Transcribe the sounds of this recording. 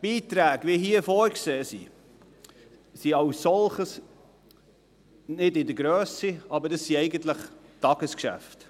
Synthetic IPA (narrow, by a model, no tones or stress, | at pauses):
b̥iːt̪ɾæːɡʋiɦiːəfɔːɾkseːsḭ | siɑwsːɔlχəs | nɪdɪdəɡɾøːsiɑbədɑsːiɛɪɡənt̪ləχtɑɡ̥əskʃæ̰ft